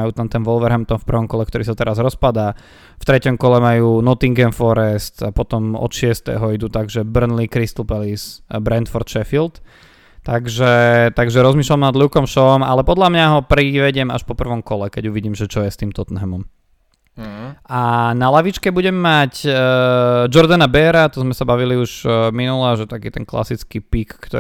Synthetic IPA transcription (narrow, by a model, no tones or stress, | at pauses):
ajuːt̪amt̪ɛnʋɔlʋɛɾɦɛmt̪ɔmfpr̩ʋɔmkɔlɛkt̪ɔɾiːsat̪ɛɾazɾɔspad̪a | ft̪ɾɛcɔmkɔlɛmajuːnɔt̪iŋɡɛnfɔɾɛst̪apɔt̪ɔmɔ̰t̪ʃɪɛst̪ɛ̰ːɦɔid̪uːt̪aɡʒɛbr̩nlikɾist̪l̩pɛlisbɾɛnt̪fɔɾt̪ʃɛfilt̪ | t̪aɡʒɛt̪aɡʒɛɾɔzmiːʃlamnad̪luːkɔmʃɔɔma̰lɛpɔd̪lamɲaɦɔpɾiʋɛɟɪɛma̰ʃpɔpr̩ʋɔmkɔlɛkɛɟuʋiɟiːmʒɛt͡ʃɔjɛst̪iːmt̪ɔt̪nɦɛmɔm | ʔanalaʋit͡ʃkɛbuɟɛmːac | d͡ʒɔɾd̪anabɛɾat̪ɔzmɛsabaʋiliuʒminulaʒɛt̪akiːt̪ɛnkla̰sit͡skipikːt̪ɔ